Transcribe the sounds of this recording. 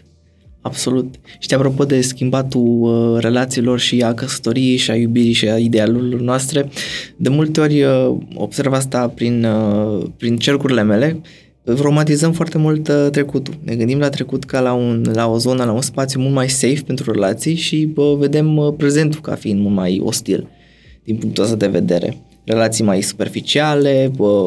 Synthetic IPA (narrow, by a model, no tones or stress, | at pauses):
abso̞lut̪ʃi̥t̪iapɾo̞po̞d̪e̞skʲimbat̪ure̞lat̪siːlo̞rʃiakəsə̥t̪o̞ɾije̞jʃiajubiɾijʃiaid̪e̞aluɾilo̞rnoast̪ɾe̞d̪e̞mult̪e̞o̞rʲəo̞̰b̥se̞rvas̬t̪apɾinəpɾint͡ʃe̞rkuɾile̞me̞le̞ | tɾo̞mat̪izəmfoart̪e̞mult̪t̪ɾe̞kut̪ulnʔe̞ɡɨnd̪imlat̪ɾe̞kut̪kəlaunlao̞zo̞nəlaunspat̪sjumult̪majse̞jfpe̞nt̪ɾure̞̰lat̪sijʃibve̞d̪e̞mpɾe̞ze̞nt̪uka̰fiind̪mult̪ma̰jo̞̰st̪ḭl | d̪̥inpuŋkt̪uast̪ad̪e̞ve̞̰d̪e̞̰ɾḛ | re̞lat̪sijmajsu̥pe̞rfit͡ʃiale̞